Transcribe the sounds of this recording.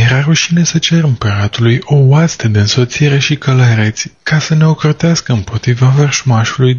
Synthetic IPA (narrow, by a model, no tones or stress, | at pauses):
jeɾaɾuʃine̞sət͡ʃeɾɨmpəɾat̪ulujo̞ast̪əd̪e̞ɨnso̞t̪siiɾe̞ʃikələɾet̪sʲkasəne̞o̞kɾot̪easkəɨmpo̞t̪ɾivavərʃmaʃuluj